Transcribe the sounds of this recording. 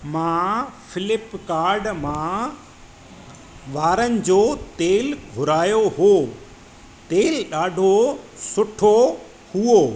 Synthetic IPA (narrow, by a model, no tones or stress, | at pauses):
mãːfɪlɪpkaːɾɖmã | ʋaːɾənɪ̆d͡ʑoːt̪eːlɡʱʊɾaːjoɦoː | t̪eːlɗaːɖʱosʊʈʰo | hʊo